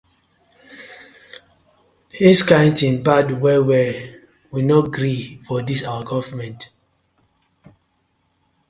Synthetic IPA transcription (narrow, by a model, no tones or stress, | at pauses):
hiskãɪ̃ntĩnbadwɛwɛ | winɔɡɾifɔdisawəɡɔvəmɛ̃nt